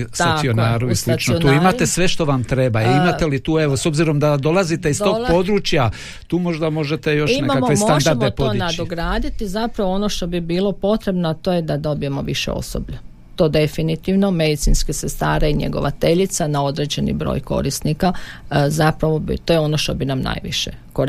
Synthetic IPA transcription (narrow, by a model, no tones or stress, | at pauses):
ssionaːɾuislit͡ʃ̪noiont̪uːimat̪e̞sʋe̞ʃt̪o̞ʋamt̪ɾebaiimat̪elit̪uːeʋoso̞bziɾo̞md̪ad̪o̞lazit̪eiso̞ɡɡpo̞d̪ɾuːt͡ʃja | t̪uːmo̞ʒd̪amo̞ʒet̪e̞jo̞ʃinemakamkemoad̪aɾdmetponad̪oɡɾaːd̪it̪izapɾaʋoo̞no̞ʃt̪o̞bibiːlˠo̞po̞t̪ɾe̞bnoat̪o̞ːjed̪ad̪o̞bije̞mo̞ʋiʃḛo̰so̰bʎu | t̪o̞ːd̪e̞finit̪iʋno̞me̞d̪it̪sinskesest̪aːɾeiɲḛɡo̞̰ʋat̪e̞ʎit̪sanao̞d̪ɾe̞ːd͡ʑe̞nḭbɾo̰ːjko̞̰ɾist̪nikazapɾaʋo̞bḭt̪o̞ːjeo̞no̞ʃt̪o̞binamna̰ːjʋḭʃe̞̰koɾ